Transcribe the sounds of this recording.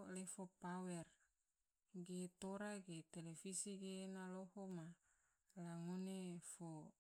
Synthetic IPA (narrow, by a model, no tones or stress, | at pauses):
lefopawɛr | ɡet̪oɾaɡet̪elefisiɡenalohoma | laŋunefo